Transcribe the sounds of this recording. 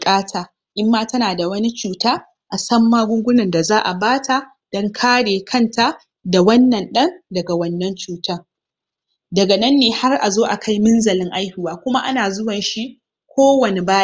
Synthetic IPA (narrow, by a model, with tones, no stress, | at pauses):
kʼaː˦tʰaː˨ | ʔɪ˦mːaː˦tɐ˦naː˨da˨wɐ˦ni˦t͡ʃuː˨taː˦ | ʔa˨sɐ˦mːaː˦ɡʷʊ˦ŋɡʷʊ˦nɐ˨nda˨zaː˦ʔa˨baː˦tʰa˨ | d̥ɔ˦ŋkʰaː˦ɽeː˨kʰɐ˦˨nta˨ | da˨wɐ˦nːɐ˨nɗɐ˦ndɐ˨ɡa˨wɐ˦nːɐ˦nt͡ʃuː˨tɐ˦ŋ | dɐ˨ɡa˨nɐ˦nːeː˨ha˦rʔa˨zoː˦ʔa˨kʰa˦jmɪ˦nzɐ˨lɪ˦ŋʔa˦jhɪ˦˨waː˦kʷʊ˦ma˦ʔa˦naː˨zʊ˦wɐ˨nʃi˦ | kʷʰoː˦wɐ˨ne˨baː˦